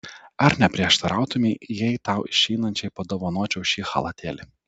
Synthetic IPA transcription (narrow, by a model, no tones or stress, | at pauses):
ɐɾnʲɛpʲɾʲiɛʃt̪ɐɾʔɑˑʊt̪ʊmʲiːjɛɪt̪ɑˑʊɪʃʲɛɪnɐnʲt͡ʃʲɛɪpoːd̪oːʋonuːt͡ʃʲɛʊʃʲiːxɐ̰lˠɐt̪ʲeːlʲɪ